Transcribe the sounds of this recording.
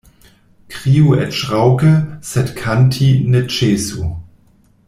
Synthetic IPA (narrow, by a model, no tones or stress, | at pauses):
kʁ̥iːuɛ̰tʃʁaʊkəsɛtkʰantʰinɛt͡ʃeːsu